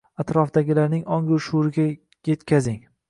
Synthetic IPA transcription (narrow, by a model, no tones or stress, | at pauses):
at̪ɾɒfd̪aɡʲɪlaɾnɪŋɒŋɡʊɾʃuɾɪɡʲa | je̞t̪kʲʰazɪŋ